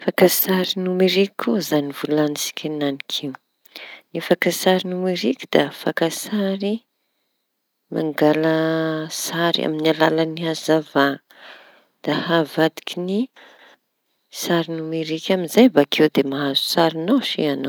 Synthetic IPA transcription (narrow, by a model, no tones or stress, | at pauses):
fakasaɾinumeɾikʲuzanivulanisi̥kʲananikʰiw | nifakasaɾinumeɾikʲi̥d̪afakasaɾi | ma̰ŋɡaləsaɾa̰minalalaniazava | d̪̥ahavad̪i̥kʲini | saɾinumeɾikʲaminzajbakʰewd̪emaɦazu̥saɾinawʃḭanaw